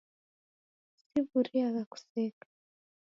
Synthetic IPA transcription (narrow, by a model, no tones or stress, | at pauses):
siβuɾiaɣaku̥sɛkḁ